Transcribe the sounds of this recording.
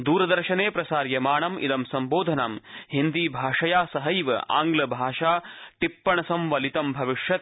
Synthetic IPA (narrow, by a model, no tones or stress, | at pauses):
d̪uːɾɐd̪ɐɾʃɐneːpɾɐsaːɾjɐmaːɳɐmʔḭd̪ɐmsɐmboːd̪ʱɐnaːmhind̪iːbʱaːʂɐjaːsɐɦɐjʋɐ̰ʔa̰ːŋɡlɐbʱaːʂaːʈipːɐɳɐsɐmʋɐlit̪ɐmbʱɐʋiʂjɐt̪